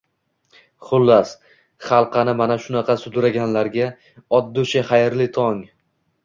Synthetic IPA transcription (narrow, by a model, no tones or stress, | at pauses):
χʊlˠːas | χɑlˠqʰɑnɪmanaʃʊnɑqʰɑsʊd̪ʊɾaɡʲanlaɾɡʲa | ɒd̪ːʊʃaχɑjɪɾlɪt̪ʰɒŋ